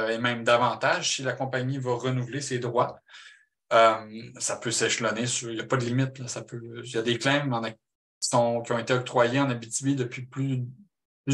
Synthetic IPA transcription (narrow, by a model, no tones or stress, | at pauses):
emɛ̃md̪avɑ̃t̪aʒsilakɔ̃paɲivaʁənuvlesed̪ʁwa | əmsapøsɛʃlɔnesyʁijapʌd̪əlimɪt̪lasapøjad̪eklɛ̃mɑ̃na | i̥sɔ̃kʲijɔ̃et̪eɔk̚t̪χwajeɑ̃nabit̪ybid̪əpɥiply | py